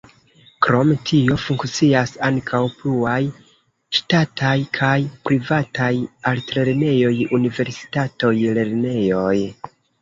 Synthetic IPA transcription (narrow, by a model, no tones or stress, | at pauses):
kɾo̞mtʰio̞fuŋkt͡siasaŋkʰawpluaj | ʃtatʰajkʰajpɾivatajaltɾe̞ɾne̞jo̞junive̞ɾsi̥tato̞jle̞ɾne̞jo̞j